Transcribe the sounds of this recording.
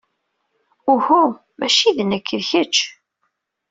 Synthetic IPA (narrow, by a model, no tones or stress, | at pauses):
ʊhu | mæʃiðənəkʰːəðçət͡ʃː